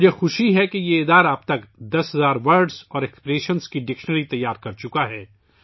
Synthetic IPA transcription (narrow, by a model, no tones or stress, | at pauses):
d͡ʒʱexʊʃiɦɛkejeeːd̪aːɾaːb̚t̪ɐkd̪ɐsɦɐzaːɾʋɐɾɖzɔːɾɛkspɾeːʃənskiɖɪkʃnəɾit̪ɐjːaːɾkɐɾt͡ʃʊkaɦɛː